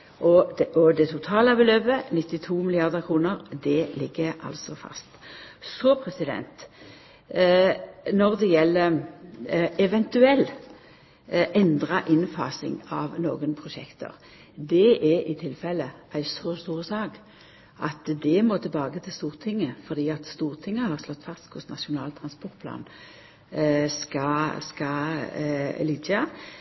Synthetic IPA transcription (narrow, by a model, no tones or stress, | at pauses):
ʔɔɔd̪ɛt̪ʰʊt̪ʰɑːləbəløːbənɪt̪ːɪt̪ʰuːmɪlɪɑʁd̪əʁkʰʁuːnəʁd̪ɛlɪɡːəʔɑ̰lsɔfɑ̰st̪sɔpʰʁɛsɪd̪ɛ̰nt̪ | nɔʁd̪ɛjɛlːə | ɛʋɛnt̪ʉɛlː | ɛnd̪ʁəʔɪnfɑːsɪ̰ŋɑʋnoːɡənpʰʁʊʃɛ̰kt̪ə̰ʁ | d̪ɛʔɛɪt̪ʰɪlfɛlːəʔæɪsɔst̪uːʁsɑːk | ʔɑt̪d̪ɛmɔt̪ʰɪlbɑːɡət̪ʰɪlst̪uːʁt̪ʰɪŋːəfɔʁd̪iːɑt̪st̪uːʁt̪ʰɪŋːəhɑʁslɔt̪ːfɑst̪kʰʊsnɑʂʊnɑːlt̪ʰʁɑnspɔʁt̪̚pʰlɑ̰ːn | skɑskɑ | lid̪ɑ